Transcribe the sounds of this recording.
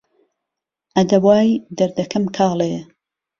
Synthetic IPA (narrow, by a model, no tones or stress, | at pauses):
ʔɐd̪ɐbwaːjd̪ɐɾd̪ɐkɐmkʰɑːle